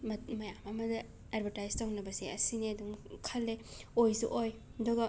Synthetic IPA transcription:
mɐmɐjamɐmɐdɐ | adbʱɐɾtajstawnɐbɐsiɐsiniɐduŋkʰɐlːeojsuʔoj | dɔɡɐ

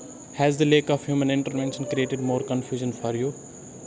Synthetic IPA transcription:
hɛzd̪əleːkɔfhjuːmə̃nɪ̃ɳʈəɾʋɛ̃nʃə̃nkɾieːʈɪɖmoːɾkə̃nfjuːʒə̃nfɔɾju

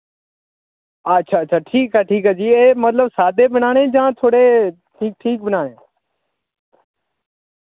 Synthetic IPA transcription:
ətːʃʰaːtːt͡ʃʰaːʈʰiːkaːʈʰiːkaːd͡ʒiːeːmət̪ləbsaːd̪eːbənaːɽ̃ẽːd͡ʒãːt̪ʰoːɽeː | ʈʰiːk̚ʈʰiːk̚bənaːɽ̃ẽː

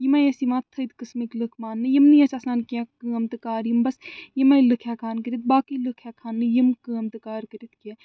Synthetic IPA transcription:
jimajesimaːt̪ʰːəjd̪kɨsmiklɨkʰmaːnːɨjimnijɐsasnaːnkʲãkɨɐmt̪ɨkaːɾjimbɐsjimɐjlɨkʰjaːkʰaːnkəɾit̪̚baːkilɨkʰjaːkʰaːnːɨjimkɨːɐmt̪ɨkaːɾkəɾit̪ʰkãː

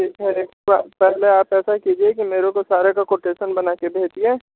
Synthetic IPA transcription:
eɛɾekapɛɦleaːpɛːsakid͡ʒiekimeːɾõkosaːɾakakoːʈeːʃənbɐnaːkebʱeːt͡ʃiɛ̃ː

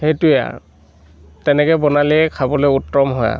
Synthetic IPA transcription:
hetʊja̰ | tɛnɛkɔbɔnaliɛkʰabɔlojutːɹɔmɦɔja̰

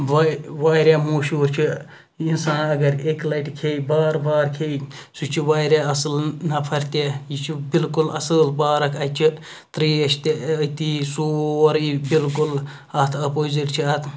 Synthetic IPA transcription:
ʋʋaːɾʲjaːmoːʃuːɾt͡ʃʰi | insaːnɐɡɐɾeklɐʈkʰejbaːɾbaːɾkʰeːsut͡ʃʰiʋaːjɾaːɐsɨlnɐpʰɐɾʲt̪ejit͡ʃʰibilkulɐsɨlbaːɾɐkʰɐt͡ʃʰi | t̪ɾiːɐʃt̪eɐt̪isuɾibilkul | ɐt̪ʰɐpoːziʈt͡ʃʰiɐt̪ʰ

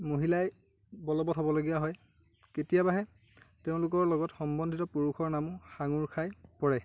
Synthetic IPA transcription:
moɦilaj | bɔlɔbɔtɦobɔloɡijaɦɔj | ketijabaɦɛ | teʊ̃lʊkɔɹlɔɡɔtxɔmbɔndʱitɔpuɹuxʰɔɹnamʊxaŋuɹkʰajpɔɹɛ

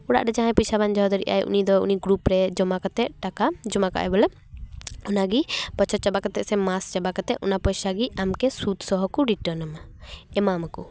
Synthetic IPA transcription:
uɽa̰ʔɖɛd͡ʒaɦãjpisaband͡ʒɔɦɔd̪ɔɾḭʔa̰jʔṵnid̪ɔṵniɡɾupɾɛd͡ʒɔmakat̪ɛʔ̚ʈakad͡ʒɔmaka̰ʔɛ̰bɔlɛ | ɔnaɡibɔt͡ʃʰɔt͡ʃabakat̪ɛʔsɛmast͡ʃabakat̪ɛʔɔ̰napɔjsaɡiamkɛsut̪sɔɦɔkuɾiʈəɾnmaɛmamaku

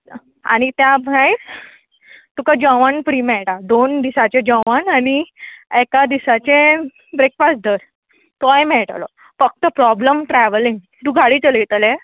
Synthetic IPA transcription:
a̰ɽ̃it̪jamãjɾ | t̪ukad͡ʑɔ̃ʋanpɾimɛɭʈad̪ond̪isat͡ɕed͡ʑɔ̃ʋananiɛkad̪isat͡ɕẽ | bɾekfas̚d̪əɾ | t̪ɔjmɛɭʈa̰lɔ̰ | fək̚t̪əpɾɔbləmʈɾɛʋəliŋɡ | t̪ũɡʱaɽit͡səlit̪əlɛ

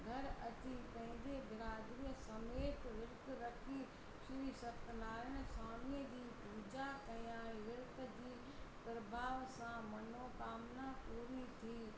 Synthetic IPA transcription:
ɡʱɐɾɐt͡ɕipɐ̃ɦɪ̃ɲd͡ʑebɪɾaːd̪ɾijəsɐmeːt̪ʋɪɾt̪ɾɐkʰi | sʊiːsɐpnaːɾəñɪ̆saːmid͡ʑiːpuːd͡ʑakɐijãʋɪɾt̪ə̆d͡ʑiː | pɾɐbʱaːʋsãmɐnoːkaːmnapuːɾit̪ʰiː

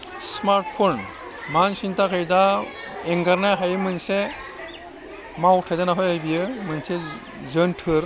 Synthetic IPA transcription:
smaɾʈpʰon | mansintʰakʰajda | eŋɡaɾnajɦajɯmɯnse | mawʈʰazanaɦɔjajbijɯmɯnse | zənʈʰɯɾ

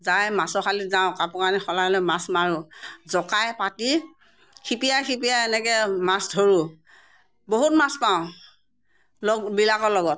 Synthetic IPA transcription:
zajmasɔxʰalitzaʊ̃kapɔkanixɔlalɔmasmaɹuzɔkajpati | kʰipijajxip̬ijajɛnɛkɛmasdʱoɹu | boɦut̚maspaʊ̃ | lɔbilakɔlɔɡɔt̚

